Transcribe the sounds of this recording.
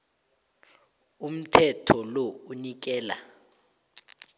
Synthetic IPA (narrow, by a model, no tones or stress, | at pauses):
um̩tʰɛtʰɔlɔunik̬ɛːla̰